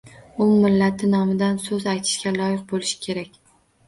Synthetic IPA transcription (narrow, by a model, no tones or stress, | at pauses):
ʊmɪlːat̪ʰɪnɒmɪd̪ansɵzajt̪ʰɪ̥ʃɡʲalˠɒjɪq̚bolɪʃɪ̥kʲʰe̞ɾakʲ